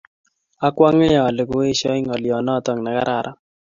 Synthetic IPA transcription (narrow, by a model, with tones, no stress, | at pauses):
a˦kwa˦ŋe˦jaː˨le˨ko˦e˦ʃɔ˦i˦ŋɔ˨ljɔ˨nɔ˦˨tɔ˨ŋna˨ka̰˦ɾʔa˨ɾʔa˦